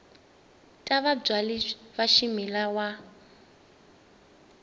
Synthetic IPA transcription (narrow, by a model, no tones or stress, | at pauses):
tʼaβab͡ʐwaliβaʃimilawa